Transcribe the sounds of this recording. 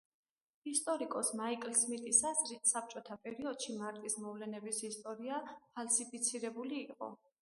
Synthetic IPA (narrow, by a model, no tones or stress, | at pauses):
ist̪ʼɔɾikʼɔsmaikʼlsmit̪ʼisasɾisap̚t͡ʃʼɔt̪ʰapʼɛɾiɔd̪̥ʃimaɾt̪ʼismɔvlɛnɛbisist̪ʼɔɾiapʰalsipʰit̪sʰiɾɛbuliːqʼɔ̰